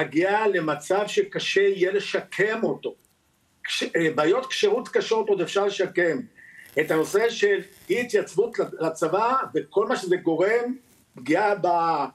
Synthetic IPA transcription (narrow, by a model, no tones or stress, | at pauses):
aɡiale̞mat͡savʃekaʃeijele̞ʃakʰe̞mo̞t̪o̞ | kʃbaːjot̪kʃeʁut̪kaʃeot̪od̪efʃaʁle̞ʃake̞metano̞se̞ʃe̞l | it̪jat͡svut̪alat͡savaveko̞lmaʃezeɡo̞ʁe̞m | bɡiaba